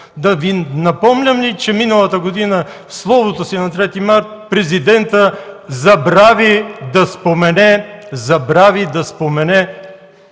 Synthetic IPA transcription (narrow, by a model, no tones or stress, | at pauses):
d̪ɐvinɐpɔmlʲɐmlit͡ʃɛminəlˠɐt̪əɡod̪inə | slˠɔvot̪osinɐt̪ɾɛt̪imaɾt̪̚pɾɛzid̪ɛnt̪əzɐbɾavid̪ɐspomɛnɛzɐbɾavid̪ɐspomɛnɛ